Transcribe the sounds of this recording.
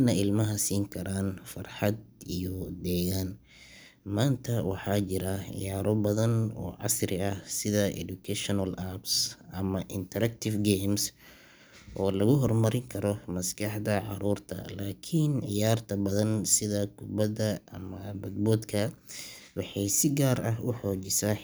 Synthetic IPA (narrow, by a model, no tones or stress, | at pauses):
nɐɪlmɐɦɐsiːŋkʰɐɾaːnfɐrħɑd̪ijɔd̪ɛːɣaːn | maːnt̪ʰɐwɑħɑːt͡ʃɪɾɐʕɪ̰jaːɾɔbɐðɐnɔ̰ːʕɑ̰sɾɪɐsɪðɐʔɛ̰d̪ʊkʰɛʃnɐlʔabsʔɐmɐʔɪnt̪ʰɐɾɐk̚t̪ʰɪfɡeːms | ʔɔːlɐɣʊɦɔrmɐɾɪŋkʰɐɾɔmɐskʰɑħd̪ɐʕɑɾuːrt̪ʰɐ̰laːkʰɪnʕɪjaːrt̪ʰɐbɐðɐnsɪðɐkʰʊbɐdɐɐmɐbɐd̪bɔːd̪kʰɐ | wɑħɑjsɪɡaːɾɐɦʊħɔːt͡ʃɪsaː